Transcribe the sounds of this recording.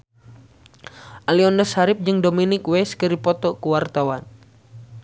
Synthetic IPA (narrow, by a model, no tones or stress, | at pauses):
ʔaliɔndɔsaɾɪp̚d͡ʒɨŋdominɪkwɛskɨɾipɔt̪ɔkuwart̪awan